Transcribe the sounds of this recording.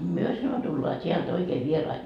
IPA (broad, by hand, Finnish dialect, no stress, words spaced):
myø sɑno tulːɑː tʲiælt oikeː ʋierɑi